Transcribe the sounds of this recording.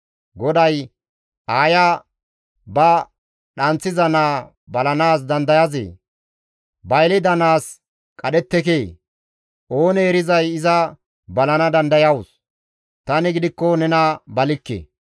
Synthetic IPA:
ɡɔd̪ɐj | aːja | bɐ | ɗɐnt͡sːɪzɐnaː | bɐlɐnaːs̬d̪ɐnd̪ɐjɐzḛː | bɐjlɛd̪ɐnaːs | kʼɐɗɛt̪ːɛkeː | ʔo̞ːnɛːɾɪzɐjɪzɐ | bɐlɐnɐd̪ɐnd̪ɐjɐwʊs | t̪ɐnɪɡɪd̪ɪkːɔnɛnɐbɐlɪkːḛ

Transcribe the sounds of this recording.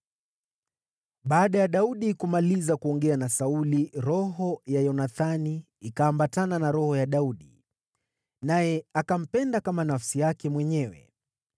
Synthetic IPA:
ɓaːɗajaɗauɗikumalizakuɔŋɡɛanasauliɾɔɦɔjajɔnaθani | ikaːmbatananaɾɔhɔjaɗauɗi | najɛakam̩pɛndakamanafsijakɛmwɛɲɛwɛ̰

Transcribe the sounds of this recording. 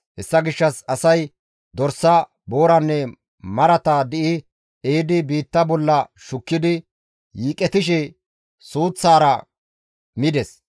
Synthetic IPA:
hɛsːɐɡɪʃːɐsɐsɐj | d̪ɔɾsːɐ | bo̞ːɾɐnːɛ | mɐɾɐt̪aːd̪ɪʔɪ | eːd̪ɪbiːt̪ːɐbɔlːɐʃʊkːɪd̪ɪ | jiːkʼɛt̪ɪʃ̬ɛ | suːt͡sːaːɾɐ | mɪd̪ɛs

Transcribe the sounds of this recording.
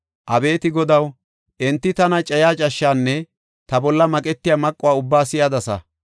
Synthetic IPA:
ʔɐbe̞ːt̪ɪɡɔd̪ɐw | ʔɛnt̪ːɪt̪ɐnɐt͡ʃʼɐjaːt͡ʃʼɐʃːaːnːɛ | t̪ɐbɔlːɐmɐkʼɛt̪ːɪjamɐkʼːʊwaːʊbːaːsɪjad̪ɐsɐ̰

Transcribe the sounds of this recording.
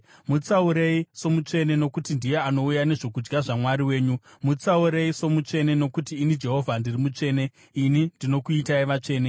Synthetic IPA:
mut͡sauɾe̞iso̞mut͡ʂe̞ne̞no̞kutindije̞ano̞ujane̞ʐo̞kud͡ʒɡaʐamwaɾiwe̞ːɲumut͡sauɾe̞iso̞mut͡ʂe̞ne̞no̞kutiːnid͡ʒe̞ɦo̞vʱandirimut͡ʂe̞ːne̞ | inindino̞kuitaiʋat͡ʂe̞ːne

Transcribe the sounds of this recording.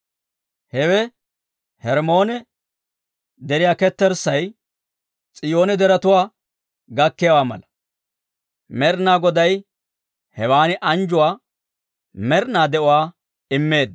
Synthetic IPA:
hɛwɛ | hɛɾmo̞ːnɛ | d̪ɛɾɪjaːkɛt̪ːɛɾsɐj | t͡sʼɪjo̞ːnɛd̪ɛɾɐt̪ʊwaː | ɡɐkːɪjawaːmɐ̰lɐ | mɛɾnaːɡɔd̪ɐj | hɛwaːnɪʔɐnd͡ʒʊwaː | mɛɾnaːd̪ɛʔʊwaː | ɪmːe̞ːd̪

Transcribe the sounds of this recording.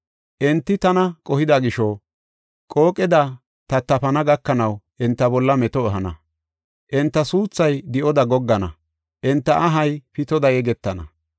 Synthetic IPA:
ʔɛnt̪ːɪt̪ɐnɐkʼɔhɪd̪ɐɡɪʃɔ | kʼoːkʼɛd̪ɐ | t̪ɐt̪ːɐpɐnɐɡɐkːɐnɐwʔɛnt̪ːɐbɔlːɐmɛt̪ɔːɦɐnɐ̰ | ʔɛnt̪ːɐsuːt͡sːɐjd̪ɪʔɔd̪ɐɡɔɡːɐnɐ̰ | ʔɛnt̪ːɐʔɐɦɐjpɪt̪ɔd̪ɐjɛɡɛt̪ːɐnɐ̰

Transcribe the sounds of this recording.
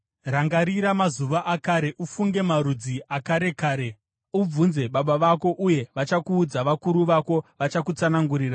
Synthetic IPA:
raŋɡaɾiɾamazuʋaʔakaɾe̞ʔufuŋɡe̞maɾud͡ziʔakaɾe̞kaːɾe̞ | ub͡vunze̞ɓaɓaʋako̞ʔuje̞ʋat͡ʃakuːd͡zaʋakuɾuʋako̞ʋat͡ʃakut͡sanaŋɡuɾiːra

